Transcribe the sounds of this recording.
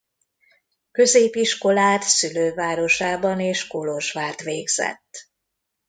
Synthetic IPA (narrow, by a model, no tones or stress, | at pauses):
kø̞zeːpiʃko̞laːt̪syløːvaːɾo̞ʃaːbɒneːʃkoloʒʋaːt̪ʋeːɡz̥ɛ̰t̪ː